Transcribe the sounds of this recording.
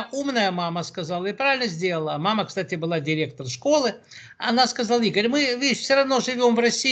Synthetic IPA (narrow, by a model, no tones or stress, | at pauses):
umnəjəmaməskɐzalˠəɪpɾavʲɪlʲnəzʲdʲe̞lˠəlˠəmaməkst̪atʲɪbɨlˠadʲɪɾʲe̞k̚t̪ərʂko̞lˠɨ | ɐ̰naskɐzalˠikəɾʲmɨvʲeɪɕfsʲoɾɐvno̞ʐɨvʲo̞mvrɐsʲːi